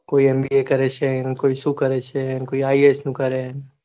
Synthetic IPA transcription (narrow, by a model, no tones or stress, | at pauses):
koːiɛmbiekɐɾet͡ʃʰenkoːisukəɾet͡ʃʰenkoːiaːiesnũkəɾen